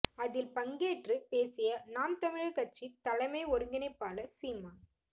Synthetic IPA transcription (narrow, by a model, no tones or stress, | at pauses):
ɐðɪlpɐŋɡeːʈrɯpeːsɪjɐnaːmt̪ɐmɪɻkɐʈ̚t͡ʃːit̪ːɐlɐmɐɪɔɾɯŋɡɪnɐpːaːlɐsiːmaː